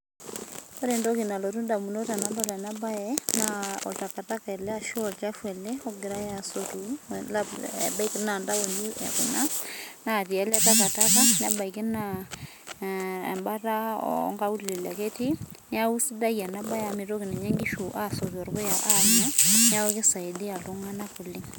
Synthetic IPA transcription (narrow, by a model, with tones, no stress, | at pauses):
ɔ˦ɾe˨ndɔ˦ki˨na˨lɔ˨tu˦nda˨mu˨no˦ta˨na˨mba˦ɾa˨na˦ba˦jɛ˦na˦ɔ̰˨ta˨ka˨ta˦kaɛ˨lɛ˦a˨ʃɔ˦˨lt͡ʃa˦fwɛ˨lɛ˦ɔ˦ɡɪ˨ɾa˦ja˨so˨tu˨laɛ̰˨ba˦ike˦na˨nda˦wo˨ndu˦ɛ̰˨ku˨na˦na˦˨ti˨ɛ˨˦la˦ta˦ka˨ta˦ka˦na˦ba˨i˨ke˦na | ɛ̰˨mba˦ta˦ɔ̰ŋɡa˦u˦˨li˨la˨ke˦ti˦n˦a˦u˦si˦da˦ja˨na˦ba˦ja˨mɪ˨ɾo˦ki˨nɛ˨ɲa˦ŋɡi˦ʃu˨ʔa˦sɔ˨tɔ˨ɾkɔ˦ja˨ʔa˦ɲa˦n˦a˦wo˦kɪ˦sa˨i˨di˦a˨lo˦ŋa˦na˦ku˨lɪ˦ŋ